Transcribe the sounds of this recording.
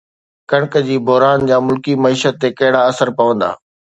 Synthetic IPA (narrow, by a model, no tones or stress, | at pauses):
kɐɽ̃kəd͡ʑiːbʱʊɦɾaːnd͡ʑaːmʊlkimɐiːʃət̪ːekɐɦɪɽaɐsəɾpɐʋə̃nd̪a̰ː